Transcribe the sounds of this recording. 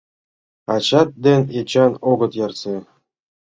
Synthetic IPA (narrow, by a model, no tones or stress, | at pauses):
ɑt͡ɕɑt̪̚d̪ʲenʲet͡ɕɑnoɡɤ̆t̪jɑrse